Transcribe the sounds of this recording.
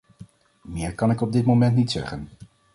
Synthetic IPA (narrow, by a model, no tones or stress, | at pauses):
mɪːɹkɑnɪkɔb̚dɪtmomɛntnitsɛ̰χən